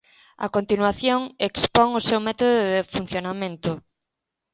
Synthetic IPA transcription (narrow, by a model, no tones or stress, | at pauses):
a̰kont̪inwaθjoŋekspoŋʊsewmɛt̪oðʊðɪfun̟θjonamẽnt̪ʊ